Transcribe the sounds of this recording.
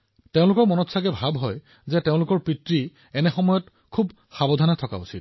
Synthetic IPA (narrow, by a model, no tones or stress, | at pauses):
teʊ̃lʊkɔɹmɔnɔtsakɛbʱabɦɔj | zɛteʊ̃lʊkɔɹpɹitɹi | ɛnɛxɔmɔjɔt | kʰub | xabɔdʱanɛtʰɔka̰ṵsit